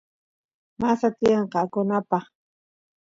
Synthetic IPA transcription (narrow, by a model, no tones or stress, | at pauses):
masat̪ɪɑɴqɑːkʊnapɑχ